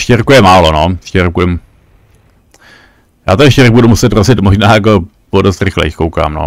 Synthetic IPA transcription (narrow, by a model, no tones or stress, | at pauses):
ʃcɛɾkujɛmaːlonoʃcɛɾkujɛm | ja̰ːt̪oɛʃcɛɾbudumusɛt̪ɾozɪt̪moʒnaːjako | podost̪ɾɪxlɛ̰jɪxkowka̰ːmno̰